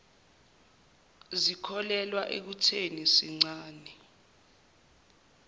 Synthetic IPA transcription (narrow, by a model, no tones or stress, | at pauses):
zikʰɔlɛlwaʔek̬utʰenisiŋ͡ǀaːnɛ